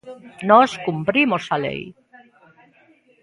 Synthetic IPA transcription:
noskumpɾimosalḛj

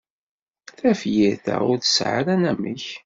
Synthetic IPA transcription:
θæfjiɾθæ̰ʊɾθə̥sʕa̰ɾænæməç

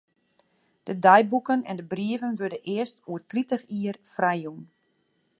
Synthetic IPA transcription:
d̥ədajbukənɛ̰ndəbriəvənʋødənʔɪəstuətritəxiərfrɛjun

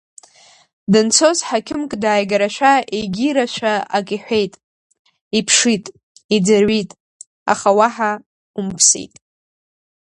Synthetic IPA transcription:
dɨnt͡sʰozħakʲʰɪmkʼdaːjɡaɾaʃʷᶣaʔeɡʲiɾaʃʷᶣaakʼiħᶣʷe̞jtʼ | ipʰʂitʼ | id͡zarɥitʼ | a̰χawaħa | umpʰsḛjtʼ

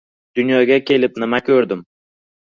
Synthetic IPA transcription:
d̪̥ʊnjɒɡʲakʲʰe̞lɪp̚nɪmakʲʰɵɾd̪ɪm

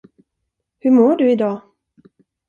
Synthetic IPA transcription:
hɵɾmoːɖɵɪd̪ɑː

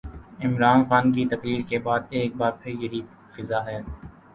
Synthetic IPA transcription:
ɪmɾaːnxaːnk̬it̪ɐqɾiːɾkebaːd̪̚eːk̚baːɾpʰɪɾjɐɦi | fɪzaɦɛ

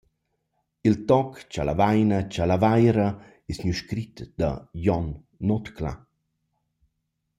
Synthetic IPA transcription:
ilt̪ɔkt͡ʃala̰vajnət͡ʃalavajɾə | esɲuʃkɾit̪d̪̥a̰jɔnː | ɔt̪kla̰

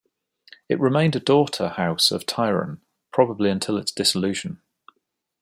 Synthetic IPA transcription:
ɪ̰ʔɹɪmẽɪ̃ndədɔˑtʰəhaʊsə̰v̥tʰaɪɹə̰̃n | pʰɹ̥ɒbəbliə̃ntʰɪlɪtsd̥ɪsɪlʉːʒə̃n

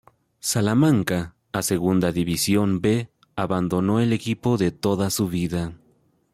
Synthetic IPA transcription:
salamãŋkaː | seɣund̪aðiβisjombe | aβand̪o̞noelekipoðet̪oðasuβiða

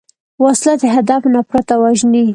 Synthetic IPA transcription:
waslad̪eɦad̪afnapɾat̪awaʒni

